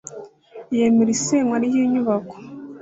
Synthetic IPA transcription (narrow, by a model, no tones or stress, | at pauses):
jemeɾiseŋwanijiɲuβako̥